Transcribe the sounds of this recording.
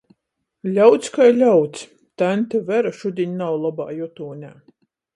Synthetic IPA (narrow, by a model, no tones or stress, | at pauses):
lʲawt̪skajlʲawt̪s | t̪anʲt̪ʲavæɾaʃud̪ʲiɲʲnawlˠaba̰ːjɔt̪uːnʲaː